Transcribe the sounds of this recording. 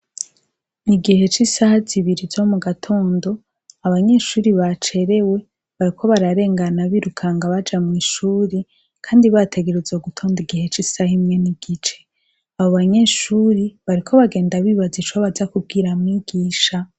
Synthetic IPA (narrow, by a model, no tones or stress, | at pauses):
niɡihe̞t͡ʃisahaziβiɾizo̞muɡatʰo̞ːndo̞ | aβaɲe̞ʃuːɾiβat͡ʃe̞ɾe̞we̞ | βaɾikʰo̞βaɾaɾe̞ːŋɡanaβiɾukʰaŋɡaβad͡ʒamŋiːʃuːɾi | kʰaːndiβatʰe̞ɡe̞ɾezoɡutʰo̞ːndiɡihe̞t͡ʃisahimŋe̞niɡ̥it͡ʃe̞̥ | aβoβaɲe̞ʃuːɾiβaɾikʰo̞βaɡe̞ːndaβiːβazit͡ʃoβazakub̚ɡiɾamŋiɡ̥iːʃa